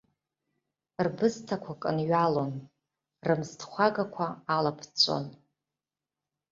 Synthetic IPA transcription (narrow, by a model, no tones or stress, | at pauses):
rbɨztʰakʷʰakʼɨnɥalo̞n | rɨmztʰχʷaɡakʷʰaːlapʰt͡sʷʼo̰n